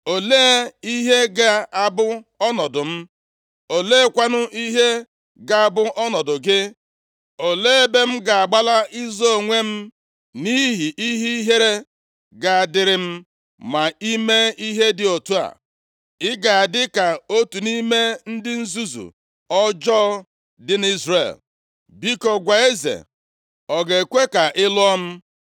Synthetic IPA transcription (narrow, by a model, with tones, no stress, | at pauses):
o˨leː˦e˦i˦ɦe˦ɡa˨a˨bʊ˦ɔ˦nɔ˨dʊ˨m̩˦ | o˨le˦e˦kʷa˦nʊ˦ʔi˦ɦe˦ | ɡa˨a˨bʊ˦ʔɔ˦nɔ˨dʊ˨ɡɪ˦ | o˨leː˦e˦be˦m̩˦ɡa˨a˨ɡ͡ba˦la˦i˦zo˦o˨ŋʷe˦m̩˦ | ni˦ɦi˨ʔi˦ɦi˦ɦe˦ɾe˦ | ɡa˨a˨dɪ˦ɾɪ˦m̩˦ | ma˨i˦me˦i˦ɦe˦dɪ˨o˨tu˦a̰˨ | ɪ˦ɡa˨a˨dɪ˦ka˨o˦tu˨ni˦me˦n̩˦dɪ˦n̩˦zu˦zṵ˨ | ɔ˦d͡ʒɔ˦ | dɪ˦n˦i˦zrḛ˨l | bi˦kɔ˨ɡʷa˨e˦zḛ˨ | ɔ˨ɡe˨kʷe˦ka˨ʔɪ˦lʊ˦ɔ˦m̩˦